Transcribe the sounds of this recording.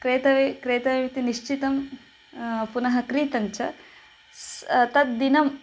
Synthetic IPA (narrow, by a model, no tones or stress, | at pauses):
kɾeːt̪ɐʋekɾeːt̪ɐʋimit̪iniʂt͡ʃit̪ɐm | punɐɦɐkɾiːt̪ɐɲt͡ʃɐ | st̪ɐt̪̚d̪inɐm